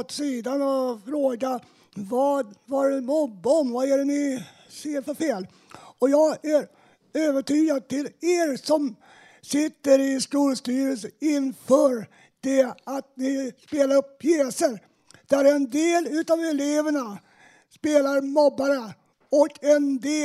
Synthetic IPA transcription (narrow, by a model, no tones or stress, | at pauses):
t̪siːd̪anɔfɾoːɡa | vɑːd̪vaɾɛnmɔbːəɔmvaæɖɛnɪ | seːɾfœɾfeːl | ɔjɑːɡæɾ | øːvəʈyːɡad̪̚t̪ɪleːɾsɔm | sɪt̪ːəɾɪskuːlst̪yːɾəlsəɪnfœːɾ | d̪̥ɛat̪̚nɪspeːlaɾɵpːʰjeːsəɾ | d̪̥æɾɛnd̪eːlʉ̟ːt̪avɛleːvəɳa | speːlaɾmɔbːaɾə | ɔkʰɛnd̪eː